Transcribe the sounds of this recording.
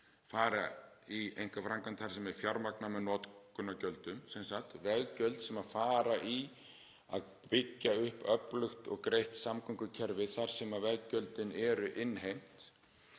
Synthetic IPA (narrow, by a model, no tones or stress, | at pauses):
faːɾa | iejŋ̥kafɾaŋkant̪ʰaɾ̥sɛmɛɾ̥fjawɾmaknamɛðnɔːt̪kʏnːacœlt̪ʏmsɛnsat̪vɛðcœlt̪sɛmaðfaːɾaʔi | a̰ð | pɪcːaʏhpœplʏxt̪ɔɣkɾejht̪samkʰʏŋkʏcʰɛɾvɪðθaɾ̥sɛmaðvɛðcœlt̪ɪnɛɾʏʔɪnːɦejm̥t̪